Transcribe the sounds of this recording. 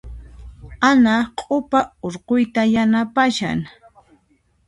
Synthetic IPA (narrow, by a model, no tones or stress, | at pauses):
anaqʼʊpaoɾqʊjt̪ajanapaʃa̰ŋ